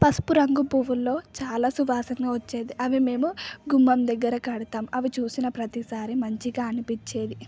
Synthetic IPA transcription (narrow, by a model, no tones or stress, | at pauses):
pɐspuɾɐŋɡubʱuːʋulːo̞ːt͡ʃaːlaːsuʋaːsɐŋɡaːʋɐt͡ʃːe̞ːd̪iʔɐʋime̞ːmuɡumːɐmd̪ɛɡːɐɾɐkɐɽut̪aːmɐʋit͡ʃuːsinɐpɾɐt̪isaːɾimɐɲt͡ʃiɡaːɐnipit͡ʃːeːd̪i